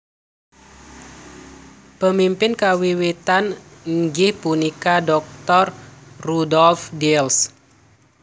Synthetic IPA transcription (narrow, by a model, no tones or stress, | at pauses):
pəmimpɪnkawiwit̪anŋd͡ʒɪhpunikadɔk̚t̪ɔrrudɔlfdɛls